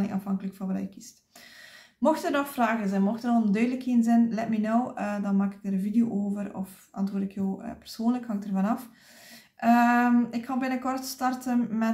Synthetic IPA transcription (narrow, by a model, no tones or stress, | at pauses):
nɪŋʔɑ̰fɑŋkələkfɑbəlɛ̰jkist | mɔxtərnɔxfraːɣənzɛnmɔxtənɑnˠdœːɥdələkeːnzɛnlɛtmɛnɔwədɑnmaːkɪ̥k̚əɾənvideoːʔoːvərɔ̰f | ɑ̰ntwoːrdɪkjoːə̰pə̥r̥soːnləkhɑŋk̚dərvɑnɑf | ʔəmɪkhɑlˠbɪnəkɔrtstɑrtənmɛ